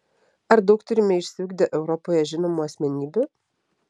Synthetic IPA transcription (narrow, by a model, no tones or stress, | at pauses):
ɐɾd̪ɐʊk̚t̪ʊɾʲɪmʲɛɪʃʲsʲɪuːɡd̪ʲɪʔɛʊɾɔpoːjɛʒʲɪnoːmuːɐsʲmʲɛnʲiːbʲʊ